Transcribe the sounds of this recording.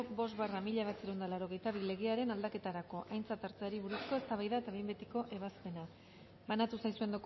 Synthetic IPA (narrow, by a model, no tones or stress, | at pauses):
bo̞st̪βaramiʎaβat͡seɾewnd̪alaɾo̞ɣe̞jt̪aβile̞ɣe̞aɾe̞nald̪ake̞t̪aɾako̞ʔajnt͡sat̪aɾt͡seaɾiβ̞uɾusko̞e̞st̪aβajðaet̪aβimbe̞t̪iko̞ʔe̞βaspe̞na | βanat̪usajsue̞nd̪ok